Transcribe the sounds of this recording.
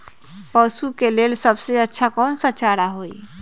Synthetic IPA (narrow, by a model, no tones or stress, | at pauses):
pəːsukeleːlsəbseətːʃʰakɔːnsət͡ʃaːɾaɦoːi